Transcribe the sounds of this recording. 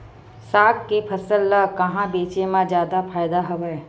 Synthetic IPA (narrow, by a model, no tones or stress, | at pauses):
saːkkːepʰəsəlːəkɐɦãbeːt͡ʃemãd͡ʒjaːd̪apʰaːjd̪aɦɐʋeː